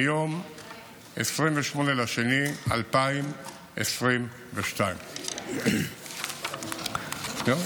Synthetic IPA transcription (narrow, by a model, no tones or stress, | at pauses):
jom | esʁimveʃmo̞nelaʃenia̰lpaim | ʔesʁim | veʃtaim | no